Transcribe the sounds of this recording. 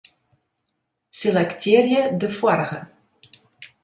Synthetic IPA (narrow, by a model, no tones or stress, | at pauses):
selɛktʰɪːrjədəfwɔɾəɣə